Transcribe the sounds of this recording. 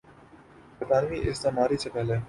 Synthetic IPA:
pɐt̪aːnʋiʔɪsd̪amaːɾisʰepɛːɦle

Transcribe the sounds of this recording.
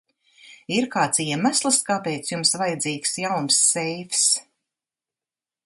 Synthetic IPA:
iɾkaːt̪siɛmaslˠɨskaːpɛjt̪sjumsvajad̪ziːksjawnsːɛjfs

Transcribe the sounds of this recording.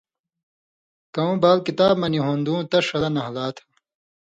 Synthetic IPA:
kɐũbaːlkit̪aːbmɐniɦõnd̪ũːt̪ɐʂɐlɐnɐɦlaːt̪ʰɐ̥

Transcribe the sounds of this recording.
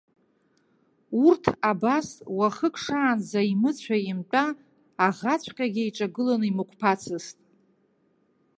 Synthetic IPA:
urtʰabaswaχəkʼʰʂaːnzaimɨt͡ɕʷʰajɪmtʷʼaː | ʁat͡sʷʰʼqʲʼaɡʲɪiʈ͡ʂʼaɡɨlonɨimɨkʷʰpʰat͡sʰɨstʼ

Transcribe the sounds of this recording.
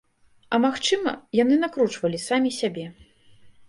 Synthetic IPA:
ɐmaxt͡ʂɨmɐ̰janɨnakɾut͡ʂvɐlʲisamʲisʲabʲɛ

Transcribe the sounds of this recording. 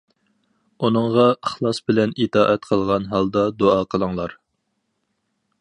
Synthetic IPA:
unəɴʁɑəχlˠɑsbɪlɛnit̪ʰɑːʔɛt̪qʰəlˠʁɑnɦɑlˠd̪ɑd̪oɑqʰəlˠəŋlˠɑɾ

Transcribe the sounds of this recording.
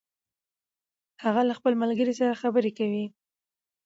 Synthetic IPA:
haɣalaxpəlmalɡəɾisaɾaxabəɾekawi

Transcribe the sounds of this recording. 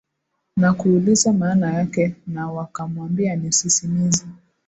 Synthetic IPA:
nakuːlizamaːnajakɛnawakamwambianisisimizi

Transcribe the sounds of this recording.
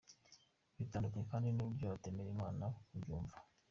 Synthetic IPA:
βitaːndukaɲekaːndinubɟoatemeɾimaːnauɟuːɱvḁ

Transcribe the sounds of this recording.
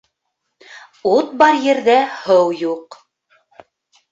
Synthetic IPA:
ut̪̚bɑɾjɘ̆ɾðæhɤwjuq

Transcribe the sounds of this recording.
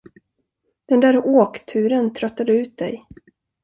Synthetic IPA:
d̪̥ɛnd̪æːɾoːkt̪ʰʉ̟ːɾənt̪ʰɾœt̪ːad̪əʉ̟ːt̪̚d̪ɛ̰j

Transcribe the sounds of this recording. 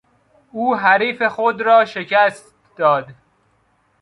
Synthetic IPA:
uːɦæɾiːfe̞xod̪ɾɒːʃe̞cʰæst̪t̪ | d̪̥ɒːd̪

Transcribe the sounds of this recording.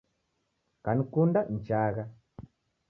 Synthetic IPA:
kanikundan̩t͡ʃaːɣa

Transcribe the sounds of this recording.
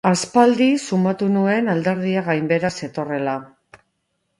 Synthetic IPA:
aspald̪isumat̪unue̞nald̪e̞ɾð̞iaɣajmbe̞ɾase̞t̪o̞re̞la

